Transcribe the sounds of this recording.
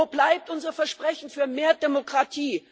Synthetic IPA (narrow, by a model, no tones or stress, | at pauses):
oblaɪp̚tʔʊnzɐfɛɐʃpʁ̥ɛçn̩fyːɐmeːɐdemokʁ̥atʰiː